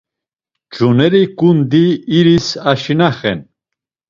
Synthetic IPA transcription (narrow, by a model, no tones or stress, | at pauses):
d͡ʒunɛɾikʼund̪iːɾisaʃinaχɛ̰n